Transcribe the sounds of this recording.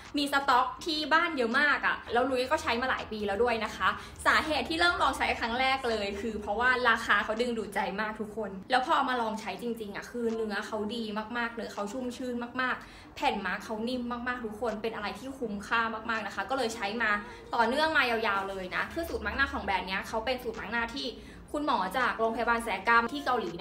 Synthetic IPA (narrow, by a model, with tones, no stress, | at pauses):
miː˧sa˧t̪ɔ˦˥k̚t̪ʰiː˥˩baː˥˩njɤ˦˥maː˥˩kʔa̰˨˩lɛː˦˥wnuː˧˦ji˦˥˩kɔː˥˩t͡ɕʰa˦˥jmaː˧la̰ː˩˦jpiː˧lɛː˦˥wdu˥˩əjna˦˥kʰa˦˥ | saː˩˦ɦeː˨˩t̪ʰːiː˥lɤː˥˩mlɔː˧ŋt͡ɕʰa˦˥jkʰɾa˦˥ŋɾɛː˥˩k̚lɤː˧jkʰɯː˧pʰɾɔ˦˥waː˥˩ɾaː˧xaː˧kʰa˦˥wdɯ˧ŋduː˨˩t̪̚t͡ɕa˧jmaː˥˩k̚t̪ʰu˦˥kʰːo˧nlɛː˦˥wpʰɔː˧ʔa˧wmaː˧lɔː˧ŋt͡ɕʰa˦˥jt͡ɕi˧ŋt͡ɕi˧ŋʔa̰˨˩kʰɯː˧nɯ˩˦ɐkʰa˦˥wdiː˧maː˥˩k̚maː˥˩k̚nɯ˦ɐkʰa˦˥wt͡ɕʰu˥˩mt͡ɕʰɯː˥˩nmaː˥˩k̚maː˥˩k̚ | pʰɛ˨˩nma˦˥kʰːa˦˥wni˥˩mːaː˥˩k̚maː˥˩k̚t̪ʰu˦˥kʰːo˧npe˧nʔa˧ɾa˧jt̪ʰiː˥˩kʰu˦˥mkʰaː˥˩mːaː˥˩k̚maː˥˩k̚na˦˥kʰa˦˥kɔː˥˩lɤː˧jt͡ɕʰa˦˥jmaː˧ | t̪ɔː˨˩nɯ˥˩əŋmaː˧ja˧wjaː˧wlɤː˧jna̰˦˥kʰɯ˧˩suː˨˩t̪̚ma˦˥knaː˥˩kʰɔː˩˦ŋbɛː˨˩p̚ni˦˥ɐkʰa˦˥wpe˧nsuː˨˩t̪̚ma˦˥k̚naː˥˩t̪ʰiː˥˩ | kʰu˧nmɔː˩˦t͡ɕaː˨˩k̚loː˧ŋpʰa˧ja˧aː˧nsɛː˨˩˦ka˧mt̪ʰiː˥˩ka˧wliː˨˩˦